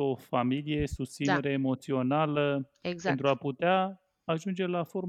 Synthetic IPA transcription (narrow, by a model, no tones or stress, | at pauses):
o̞familije̞sust̪sine̞ɾeːmo̞t̪sio̞nalə | pent̪ɾuaput̪eaː | ʒund͡ʒe̞lafo̞ɾ